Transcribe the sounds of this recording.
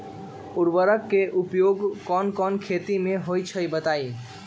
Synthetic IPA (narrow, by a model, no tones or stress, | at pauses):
uɾbəɾəkːeʔupjoɡkɔnkɔnkʰet̪imeɦojt͡ʃʰəjbət̪ai